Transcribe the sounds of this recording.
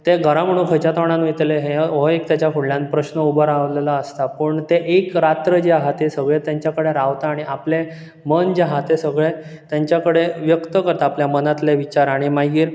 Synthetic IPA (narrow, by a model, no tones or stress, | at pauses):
t̪eɡʱəɾãm̤əɽ̃ũːkʰət͡ɕat̪əʋɳ̃ãnʋit̪eleɦeɦoekt̪jat͡ɕjafuɭljãnpɾəɕnəubəɾaʋlelaəst̪apəɳt̪eʔekɾat̪ɾəd͡ʑeɦat̪esəɡɭet̪jaɲt͡ɕjakəɽeɾaʋt̪aːɽ̃iʔaple | mənd͡ʑeɦat̪esəɡɭe | t̪jaɲt͡ɕjakəɽeʋjəkt̪əkəɾt̪aaːpljamənat̪leʋit͡ɕaɾaɽ̃imajɡiːɾ